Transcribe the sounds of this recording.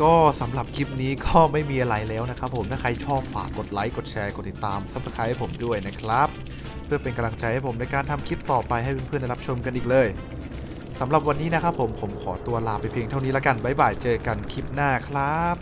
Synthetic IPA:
kɔː˥˩sa˩˦mɾa˨˩p̚kʰi˦˥p̚niː˦˥kɔː˥˩ma˥˩jmiː˧ʔa˧ɾa˧jlɛː˦˥wna˦˥kʰɾa˦˥pʰːo˨˩˦mt̪aː˥˩kʰa˧jt͡ɕʰɔː˥˩p̚fa̰ː˨˩kːo˨˩t̪̚la˦˥jko˨˩t̪̚t͡ɕʰɛː˧ko˨˩t̪ːi˨˩t̪ːaː˧msa˨˦˩p̚sa˧kʰaː˧˥jha˥˩pʰo˩˦mdu˥˩əjna˦˥kʰɾa˦˥p̚ʰː | ɯ˥˩ɐpe˧nka˧mla˧ŋt͡ɕa˧jha˥˩jpʰo˩˦mna˧jkaː˧nt̪ʰa˧mkʰi˦˥p̚t̪ɔː˨˩pa˧jɦa˥˩jpe˧npʰɯ˥˩nda˧jɾa˦˥p̚t͡ɕʰo˧mka˧nʔiː˨˩k̚lɤː˧j | sa˩˦mɾa˨˩p̚wa˧nːiː˦˥na˦˥kʰɾa˦˥pʰːo˩˦mpʰo˩˦mkʰɔː˩˦t̪u˧ɐlaː˧˩pːa˧jpʰeː˧ŋt̪ʰa˥˩wni˦˥la˦˥ka˧nwa˦˥jbaː˨˩jt͡ɕɤː˧ka˧nkʰi˦˥p̚naː˥˩kʰɾa˦˥p̚

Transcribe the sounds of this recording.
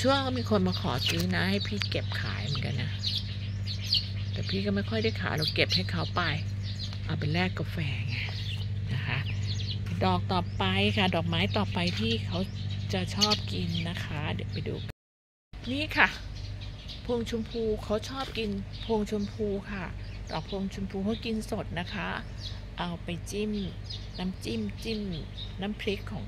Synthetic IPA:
t͡ɕʰu˥˩˨kʰɔ˥˩miː˧kʰo˧nmaː˧kʰɔ̰ː˩˦sɯː˦˥na˦˥ha˥˩jpʰiː˥˩ke˨˩p̚kʰa̰ː˩˦jmɨ˨˩˦nka˧nːa˦˥ | t̪ɛː˨˩pʰiː˥˩kɔː˥˩ma˥˩jkʰɔ˥˩jda˥˩jkʰa̰ː˩˦la˧wke˨˩p̚ha˥˩jkʰa˦˥wpa˧j | ʔa˨˩pe˧nɾɛː˥˩kːa˧˩fɛː˧ŋa˧˩ | na˦˥kʰa˦˥ʔ | dɔː˨˩k̚t̪ɔː˨˩pa˧jkʰa˥˩dɔː˨˩k̚maː˦˥jt̪ɔː˨˩pa˧jt̪ʰiː˥˩kʰa˦˥wt͡ɕa˨˩t͡ɕʰɔː˥˩p̚ki˧nːa˦˥kʰa˦˥dɛ˨˩˦pa˧jdṵː˧k | niː˥˩˨kʰa˥˩ | pʰoː˧ŋt͡ɕʰu˧mpʰuː˧kʰa˦˥wt͡ɕʰɔː˥˩p̚ki˧npʰoː˧ŋt͡ɕʰu˧mpʰuː˧kʰa˥˩d̥ɔ̰ː˨˩k̚pʰoː˧ŋt͡ɕʰu˧mpʰuː˧kʰa˦˥wki˧nso˨˩t̪̚na˦˥kʰa˦˥ | ʔa˧wpa˧jt͡ɕi˥˩m | na˦˥mt͡ɕi˥˩mt͡ɕi˥˩m | naː˦˥mpʰɾi˦˥kʰːɔː˩˦ŋ

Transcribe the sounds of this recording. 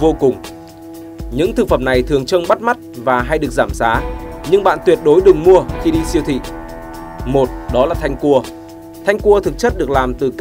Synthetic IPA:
vo˧kʊ˨˩ŋ͡m | ɲɨ̰˧˥ŋt̪ʰɨ˨˩k̚fə˧˩mna˨˩jt̪ʰɨ˨˩əŋt͡ɕə˧ŋɓa˦˥t̚ma˦˥t̚vaː˨˩ɦa˧jɗɨ˨˩ək̚zaː˧˩msaː˨˦ɲɨ˧ŋɓa̰ː˧˨nt̪wi˨˩ət̚ɗo˨˦jɗɨ˨˩ŋmu˧əxi˧ɗi˧si˧əwt̪ʰḭ˧˨ | mo˨˩t̚ɗɔ˨˦laː˨˩t̪ʰa˧jŋ̟ku˧ə | t̪ʰa˧jŋ̟ku˧ət̪ʰɨ˨˩k̚t͡ɕə˦˥t̚ɗɨ˨˩ək̚laː˨˩mt̪ɨ˨˩k

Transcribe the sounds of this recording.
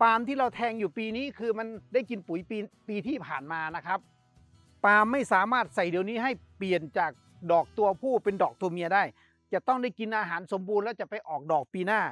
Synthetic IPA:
paː˧mt̪ʰiː˥˩ɾa˧wt̪ʰɛː˧ŋjuː˨˩piː˧niː˦˥˩kʰɯː˧ma˧ndaː˥˩jki˧npu˨˩˦jpiː˧piː˧t̪ʰiː˥˩pʰaː˨˩nmaː˧na˦˥kʰɾa˦˥p̚ | paː˧mːa˥˩jsaː˩˦maː˥˩t̪̚sa˨˩jdi˨˧əwniː˦˥˩ɦa˥˩jpli˨˩ənt͡ɕaː˨˩k̚ | dɔː˨˩k̚t̪u˧ɐpʰuː˥˩pe˧ndɔː˨˩k̚t̪u˧əmi˧ədaː˥˩j | t͡ɕa˨˩t̪ɔ˥˩ŋda˥˩jki˧nʔaː˧ɦaː˩˦nso˩˦mbuː˧nlɛː˦˥˩wt͡ɕa˨˩pa˧jʔɔː˨˩k̚dɔː˨˩k̚piː˧naː˥˩

